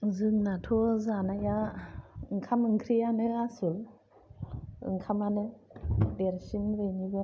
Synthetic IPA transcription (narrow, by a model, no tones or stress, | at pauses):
zɯŋnatʰozanajaɯŋkʰamɯŋkʰɾijanɯɡasɯl | ɯ̰ŋkʰamanɯdeɾsinɾɯɲiɡɯ